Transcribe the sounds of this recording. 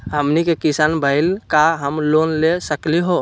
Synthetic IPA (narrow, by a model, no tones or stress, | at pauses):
ɦəmnikekisanbʱəɪlkaɦəmlonlesəkliɦo